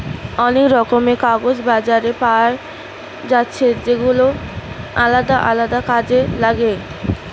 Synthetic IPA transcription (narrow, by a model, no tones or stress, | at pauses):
ɔnekɾɔkomekaɡod͡ʑbad͡ʑaɾepawaɾ | d͡ʑatːɕʰed͡ʑeɡulo | alad̪aʔa̰lad̪akad͡ʑelaɡe